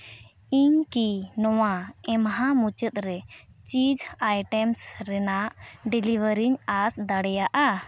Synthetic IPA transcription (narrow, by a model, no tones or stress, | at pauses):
iɲkinɔwaɛmɦãmut͡ʃət̪̚ɾɛt͡ʃid͡ʒajʈɛmsɾɛnaʔɖilibəɾiɲasd̪aɽɛjaʔa